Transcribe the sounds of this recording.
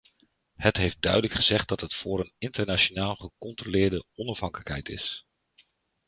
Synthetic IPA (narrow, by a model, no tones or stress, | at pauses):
hətɦejf̚dœɥdələkχəzɛχt̚dɑtɦətfʊːɾənɪntəɹnat͡ʃonaːlˠχəkɔntrolɪːɹdəɔnɑfɦɑŋkələkɦɛ̰jtɪ̰s